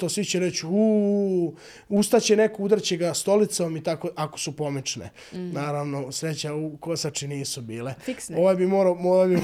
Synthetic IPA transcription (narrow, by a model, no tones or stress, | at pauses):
t̪osʋit͡ɕeɾet͡ɕuː | ust̪at͡ɕene̞koud̪r̩t͡ɕeɡast̪o̞lit̪somit̪akoʔako̥supo̞mit͡ʃnḛ | naːɾaʋno̞sɾe̞t͡ɕauko̞sat͡ʃiniːsubiːlefikoʋajbimoɾamoabi